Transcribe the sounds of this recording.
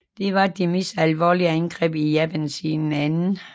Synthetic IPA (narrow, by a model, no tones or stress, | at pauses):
d̥e̝ʋɑ̈d̥emesælʋɒ̰ːliəænɡ̥ʁɛ̰ːb̥ijæb̥ænsinn̩ænn̩